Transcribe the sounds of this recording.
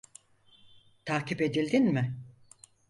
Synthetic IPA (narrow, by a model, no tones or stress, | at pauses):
t̪ʰaːkcipe̞d̪ilʲd̪inmɪ